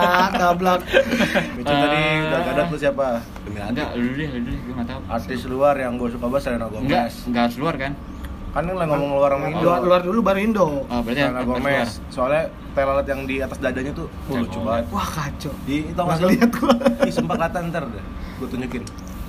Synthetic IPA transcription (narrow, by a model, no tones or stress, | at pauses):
dablak̚ | bit͡ʃut̪adibaɡadat̪lusiapa | dəmila̰ɡadudidududɪɡumat̪aʔa̰rt̪ɪsluarjaŋɡuasukabasalanaɡomɛsŋɡasluarkan | kannlaŋɔmɔŋluaramaŋidluardulubaɾindɔŋɔbt̪aanaɡomɛs | soala | t̪alalat̪jaŋdiat̪asdadaɲat̪u | molut͡ʃubat̪̚wahkat͡ʃɔdiit̪amas̬ɪliat̪̚ɡuisəmpaklat̪ant̪ərdɛh | ɡuat̪uɲd͡ʒukɪn